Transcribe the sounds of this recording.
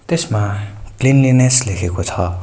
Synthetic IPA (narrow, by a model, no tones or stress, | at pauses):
t̪esmaklinlineslekʰekot͡sʰʌ